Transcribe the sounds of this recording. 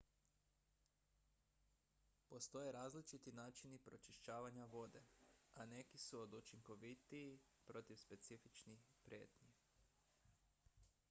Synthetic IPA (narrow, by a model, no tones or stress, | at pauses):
po̞st̪o̞jeɾaːzlit͡ʃit̪inaːt͡ʃinipɾo̞t͡ʃiʃt͡ʃaːʋaɲaʋo̞d̪e̞ane̞kisuod̪ut͡ʃiŋko̞ʋit̪iː | pɾo̞t̪iʋspe̞t̪sifit͡ʃnixpɾje̞̰ːt̪ɲi